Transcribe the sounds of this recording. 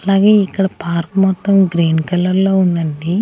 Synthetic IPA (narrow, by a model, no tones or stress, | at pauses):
ɐlaːɡe̞ːikːɐɽɐpaːɾkmɔt̪ːɐmɡɾiːnkɐlːɐɾlo̞ːund̪ɐɳɖi